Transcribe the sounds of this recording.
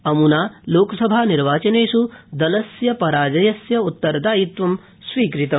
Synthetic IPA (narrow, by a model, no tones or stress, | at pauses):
ɐmunaːloːkɐsɐbʱaːniɾʋaːt͡ʃɐneːsud̪ɐlɐsjɐpɐɾaːd͡ʒɐjɐsjɐut̪ːɐɾd̪aːjit̪ʋɐm | sʋiːkɾit̪ɐm